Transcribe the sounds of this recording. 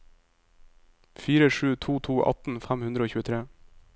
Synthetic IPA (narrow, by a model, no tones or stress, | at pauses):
fiːɾəʃʉːt̪ʰuːt̪ʰuːʔɑ̰t̪n̩fæmhʉnd̪ɾəoːçʉːət̪ʰɾeː